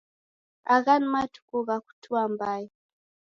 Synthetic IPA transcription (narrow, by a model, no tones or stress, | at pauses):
aɣanmatu̥kuɣaku̥tʰuambai